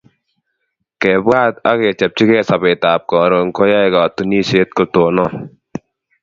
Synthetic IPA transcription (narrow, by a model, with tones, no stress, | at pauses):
kɛ˨ba˦˨t̪̚a̰˦kɛ˨t͡ʃɛ˨p̚t͡ʃi˦kɛː˦˨sa˨be˨t̪a˨p̚kɔ˨ɾo˨ŋkʰɔ˦ja˦jkɔ˨t̪u˨ni˦˨se˨˦t̪̚ko˨t̪oː˨nɔ˦˨